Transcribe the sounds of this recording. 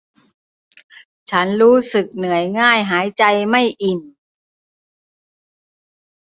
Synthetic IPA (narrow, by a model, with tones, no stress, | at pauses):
t͡ɕʰa˦˥nɾuː˦˥sɯ˨˩k̚nɯ˩˦əjŋaː˥˩jɦaː˩˦jt͡ɕa˧jma˥˩jʔi˨˩n